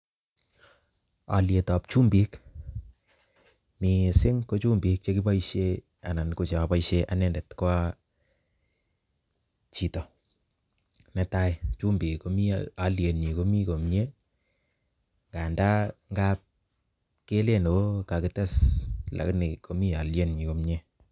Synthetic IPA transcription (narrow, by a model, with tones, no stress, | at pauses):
a̰˨lje˨tɔ˨p̚t͡ʃu˦mbi˦k | mi˨sɪ˦ŋko˦t͡ʃu˦mbi˦k̚t͡ʃe˦kɪ˦pa˦i˦ʃe˦ | a˨na˨nko˦t͡ʃe˨a˨pa˦jʃe˦ʔa˨nɛ˦˨ndɛ˨tkwa˦ | t͡ʃi˨tɔ˨ | nɛ˦ta˦jt͡ʃu˦mbi˨kko˦mi˦a˨lje˨nɲi˨ko˦mi˦ko˨mɲe˦ | ŋɡa˨nda˦ŋɡa˦p̚ | ke˦le˦no˨˦ka˨kɪ˨tɛ˦sla̰˨knɪ˨ko˦mi˦a˨lje˦nɲi˨ko˨mɲe˦